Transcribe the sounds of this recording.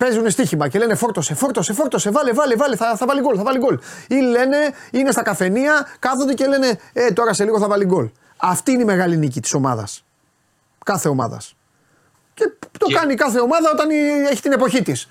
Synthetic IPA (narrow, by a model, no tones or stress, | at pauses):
pe̞zune̞st̪içimɐce̞le̞nefo̞ɾt̪o̞se̞fo̞ɾt̪o̞sefo̞ɾt̪o̞se̞vɐlivɐlivɐliθɐθɐvɐliɡo̞lθɐvɐliɡo̞lile̞ne̞ine̞st̪ɐkɐfe̞niɐkɐθod̪ece̞le̞ne̞et̪o̞ɾɐse̞liɣoθɐvɐliɡo̞l | ɐft̪iineimeɣɐlinic̬it̪i̥so̞mɐ̰ðɐ̰s | kɐθe̞o̞mɐ̰ðɐ̰s | ce̞t̪o̞kɐnikɐθe̞o̞mɐðɐo̞t̪ɐneçi̥t̪ine̞po̞çit̪is